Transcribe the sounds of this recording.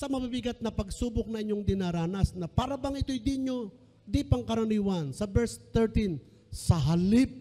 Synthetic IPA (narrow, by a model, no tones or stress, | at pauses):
sɐmɐbibɪɡat̪̚nɐpɐɡsuːbʊk̚nɐŋʔɪɲːo̞ŋd̪ɪnaɾaːnɐsnɐpaːɾɐbɐŋʔɪt̪o̞jd̪iɲo̞ | d̪ipɐŋkɐɾoniwansɐbɛɹst̪ɛɾt̪in | sɐɦɐlɪp̚